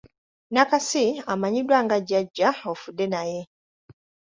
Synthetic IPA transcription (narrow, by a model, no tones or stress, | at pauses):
nakasiamaɲidwaːŋɡaɟaɟːaofudːe̞naje